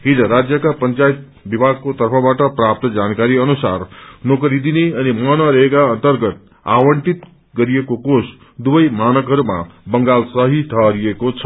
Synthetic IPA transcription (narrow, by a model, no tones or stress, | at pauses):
ɦid͡zʌɾad͡zjʌkapʌnt͡sajt̪̚ | bibʱaɡ̚kot̪ʌrpʰʌbaʈʌprap̚t̪ʌd͡zankaɾiʌnusa̰rnokʌɾid̪ineʌnimʌnʌɾʌɦekaʌnt̪ʌrɡʌt̪̚ | a̰wʌɳʈit̪ | ɡʌɾiekokos | d̪ubʌjmanʌkɦʌɾuma̰bʌŋɡalsʌɦiʈʰʌɾiekot͡sʰʌ